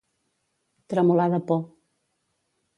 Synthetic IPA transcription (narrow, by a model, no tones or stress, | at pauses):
t̪ɾəmulaðəpɔ